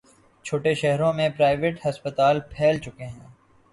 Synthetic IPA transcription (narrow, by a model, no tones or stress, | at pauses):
t͡ʃʰoːʈeʃɛɦɾõmẽpɾaːɪʋeːʈhɐspət̪aːlpʰɛːlt͡ʃʊkeɦɛ̃ː